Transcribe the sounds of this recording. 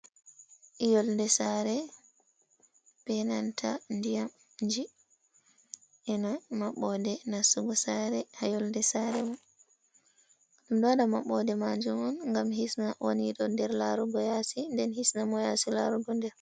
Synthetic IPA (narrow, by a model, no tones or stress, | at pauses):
jɔldɛsaɾɛ | pɛnantʰandijam | ɲd͡ʒi | ɛnɔmaɓɔdɛnasuɡɔsaɾɛhajɔldɛsaɾɛmɔ | ɗumdɔɗama̰ɓɔdɛmad͡ʒumɔnŋɡamhisnawoniɗɔndɛɾlaɾuɡɔjasindɛnhisnamɔjasila̰ɾuɡɔndɛɾ